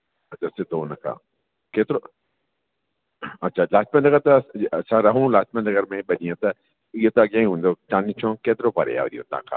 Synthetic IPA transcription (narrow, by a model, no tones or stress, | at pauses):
ɐt͡ʃʰased̪oːnɐkʰa̰ː | keːt̪ɪɾo | ɐtːʃʰalaːt͡ʃmɐ̃nɐɡəɾt̪ɐsaɾɐɦũlaːt͡ʃmẽnnɐɡəɾmẽɓɐniãt̪ɐ | ijot̪oɐɡãːĩɦũːnd̪ot͡ʃaːnĩt͡ʃʰõːkeːt̪ɪɾoːpɐɾḛja̰ɾḭjo̰t̪a̰ːkʰa̰ː